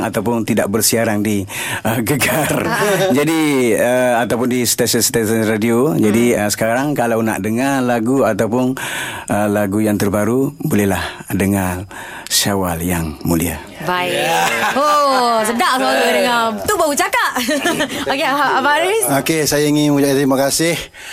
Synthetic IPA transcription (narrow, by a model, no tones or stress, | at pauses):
ŋat̪awpʊnt̪idaʔ̚bərsiaɾaŋdi | əɡəɡard͡ʒadiəat̪awpʊndisə̥t̪asənst̪ɛsənradiod͡ʒadiəsə̥kaɾaŋkalawna̰ʔdəŋalaɡuat̪awpʊnəlaɡujaŋt̪ərbaɾubolɛɦlahdəŋa | sawaljaŋmulia̰ | baiosədaʔsaldəŋat̪uʔbaut͡ʃakaʔ | okeaaapaɾisokesajaiŋinud͡ʒaʔt̪ɾimakasɪh